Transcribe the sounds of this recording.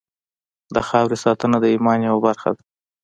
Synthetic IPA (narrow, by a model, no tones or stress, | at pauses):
d̪əxɑwɾesɑt̪ənad̪əimɑnjawabaɾxa̰d̪a